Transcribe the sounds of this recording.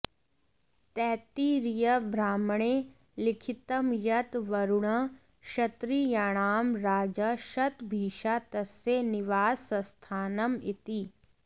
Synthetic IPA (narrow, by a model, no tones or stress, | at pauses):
t̪ɛːt̪iɾijəbʱɾaːmɳ̃eː | lɪkʰɪt̪əmjɐt̪ʋɐɾʊɽã | ʃɐt̪ɾijaːɽ̃aːmɾaːd͡ʒaʃɐt̪bʱiːʃat̪ɐsenɪʋaːsːɐ̃st̪ʰaːnɐmɪt̪iː